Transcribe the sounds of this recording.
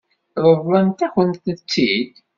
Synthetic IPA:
ɾˤəðˤːænt̪æçənt̪ət͡sːid̪

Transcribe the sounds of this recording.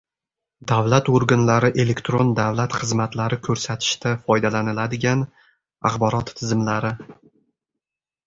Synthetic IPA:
d̪avlat̪oɾɡanlaɾɪʔe̞le̞kt̪ɾond̪avlat̪χɨzmat̪laɾɪkʰɵɾsat̪ʰɪ̥ʃt̪ʰafɒjd̪alanɪlad̪ɪɡʲan | a̰χbɒɾɒt̪ʰːɪzɪmlaɾɪ

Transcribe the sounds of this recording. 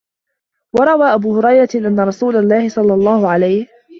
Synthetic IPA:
wɑɾˤɑwaːʔabuːhʊɾˤɑjɾˤɑʔanːaɾˤɑsuːlalːɑːhɪsˤɑlːɑlˤːɑːhʊʕalajh

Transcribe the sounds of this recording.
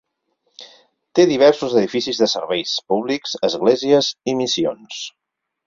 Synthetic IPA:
t̪eðiβ̞ɛɾsuzəðifisizðəsəɾβɛjspuβlikz̥əzɣleziəzimisio̰ns

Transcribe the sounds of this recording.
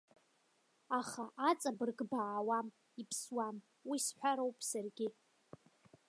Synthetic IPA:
aχaʔat͡sʼabɨrɡbaːwam | ipʰswam | wisħᶣʷaɾowpʼsarɡʲɪ

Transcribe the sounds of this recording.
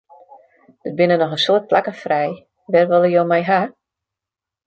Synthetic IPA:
d̥ət̚bɪnənɔxəsoərt̚plakəfrɛj | ʋɛrʋɔlˠəjoːmɛjɦa

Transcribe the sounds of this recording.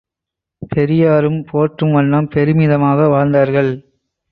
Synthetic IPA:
pʰɛɾɪjaːɾɯmpoːʈrɯmʋɐɳːɐmpɛɾɯmɪðɐmaːɣɐʋaːɻnd̪aːɾɣɐɭ

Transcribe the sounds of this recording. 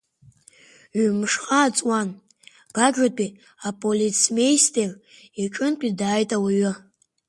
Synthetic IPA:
ɥmʂχʼaːt͡sʼwan | ɡ̥aɡatʼi | apʼolit͡sʰmejstʰʼer | iʈ͡ʂʼɨnpʼidaːjtʼawiɥʊ

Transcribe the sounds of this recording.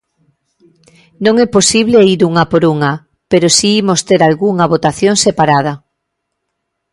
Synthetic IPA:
nõŋɛposiβ̞leiɾuŋapoɾuŋa | peɾosiimost̪eɾalɣuŋaβ̞ot̪aθjõŋsepaɾað̞a

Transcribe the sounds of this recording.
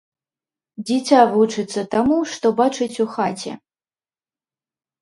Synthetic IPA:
d͡zʲit͡sʲavut͡ʂɨt̪sːɐt̪amuʂt̪ɔbat͡ʂɨt͡sʲuxat͡sʲɛ̰

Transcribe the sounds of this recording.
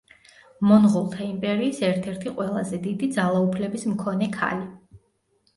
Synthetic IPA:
mɔnʁulˠt̪ʰaimpʼɛɾiːsɛɾt̪ʰɛɾt̪ʰiqʼwɛlˠazɛd̪id̪id̪zalˠaupʰlɛbismkʰɔnɛkʰa̰li

